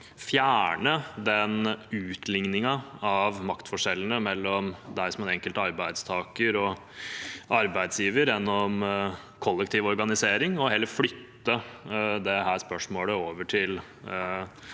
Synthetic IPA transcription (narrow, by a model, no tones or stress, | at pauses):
fjæːɳəd̪ɛnʉːt̪ʰlɪŋnɪŋɑɑʋmɑkt̪fɔʂɛlːənəmɛlːɔmd̪æɪsɔmɛnɛŋkəlt̪ɑɾbæɪd̪st̪ʰɑːkəɾɔ | ʔɑɾbæɪd̪sjiːʋəɾjɛnːɔm | kʰɔlːɛkt̪ʰiːʋɔɾɡɑnɪseːɾɪŋɔɦɛlːəɾflʏt̪ːəd̪ɛɦæːʂpœʂmoːləoːʋəʈʰɪl